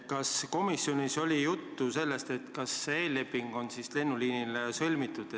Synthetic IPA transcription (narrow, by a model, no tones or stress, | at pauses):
kɑsko̞misːjo̞niso̞lʲijut̪ːuse̞lːe̞st̪e̞t̪kɑsːee̞ːlːe̞pːiŋɡ̥o̞nsisle̞nːuliːnilsɤlʲmit̪ːˑud̪̥